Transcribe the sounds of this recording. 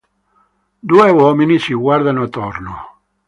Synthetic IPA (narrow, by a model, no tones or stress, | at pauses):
d̪uevɔminisiɡwaɾd̪anat̪ɔɾno̰